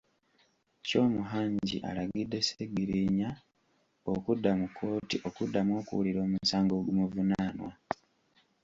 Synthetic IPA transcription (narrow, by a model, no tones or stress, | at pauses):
co̞ːmuɦaːɲɟḭʔa̰laɡidːe̞seɡiɾiɲa | okudːamukʰːo̞ːtiʔo̞kudːamwo̞ːkṵwuliɾo̞ːmusaːŋɡo̞ɡumuvunaːnwa